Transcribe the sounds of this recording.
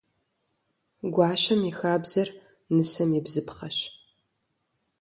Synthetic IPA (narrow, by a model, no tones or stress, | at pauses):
ɡʷɑːɕɐmixaːbzɐr | nɨsɐmjɪbzɨpχɐɕ